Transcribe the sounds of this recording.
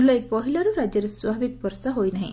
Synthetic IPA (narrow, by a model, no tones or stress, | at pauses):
lɔjpɔɦilaɾuɾad͡ʒjɔɾeswabʱabik̚pɔɾsaɦojnaɦḭ̃